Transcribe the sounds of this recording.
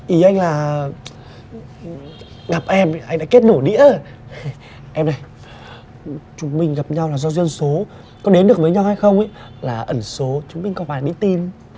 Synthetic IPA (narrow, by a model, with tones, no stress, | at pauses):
ʔi˨˦ʔa˧jŋ̟laː˨˩ | ɣa˨˩p̚ʔɛ˧mʔa˧ŋ̟ɗa̰ː˧˥ke˦˥t̚no˧˩jɗḭ˧˥ə | ʔɛ˧mna˨˩j | t͡ɕʊ˨˦ŋ͡mmï˧ŋ̟ɣa˨˩p̚ɲa˧wlaː˨˩zɔ˧zwi˧ənso˨˦ | kɔ˨˦ɗe˨˦nɗɨ˨˩ək̚və˨˦jɲa˧wha˧jxə˧wŋ͡mʔa̰˧˦ | laː˨˩ʔə˧˩nso˨˦t͡ɕʊ˨˦ŋ͡mmï˧ŋ̟kɔ˨˧˦waː˧˩ɗḭ˧˥t̪i˧n